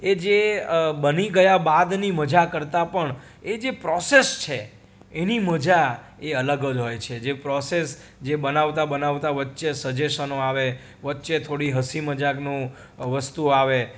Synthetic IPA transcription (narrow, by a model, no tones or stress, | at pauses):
ed͡ʒebəniɡəjabad̪niməd͡ʒakəɾt̪apəɳ | ed͡ʒepɾɔsest͡ʃʰe | eniməd͡ʒa | eələɡəd͡ʒɦojt͡ʃʰed͡ʒepɾɔses | d͡ʒebənaʋt̪abənaʋt̪aʋətːʃesəd͡ʒesənoaʋe | ʋətːʃet̪ʰoɽiɦəsiməd͡ʒaɡnõ | ʋəst̪uaʋe